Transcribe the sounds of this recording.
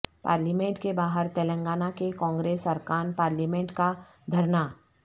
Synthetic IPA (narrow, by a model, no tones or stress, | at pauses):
pa̰ːɾliːmẽɳʈkebaːɦəɾt̪ɛːlə̃ŋɡaːnakekɔ̃ːŋɡɾeːsɐɾkaːnpaːɾlimẽɳʈkad̪ʱɐɾna